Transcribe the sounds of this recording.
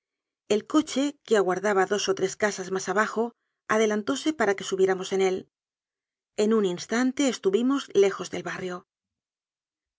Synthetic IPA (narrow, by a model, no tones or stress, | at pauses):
e̞lko̞t͡ʃe̞keaɣwaɾðaβaðo̞so̞t̪ɾe̞skasazmasaβ̞axo̞ | aðe̞lant̪o̞se̞paɾake̞suβje̞ɾamo̞se̞ne̞l | e̞nuninst̪ant̪e̞ːst̪uβimo̞zle̞xo̞zðe̞lβarjo̞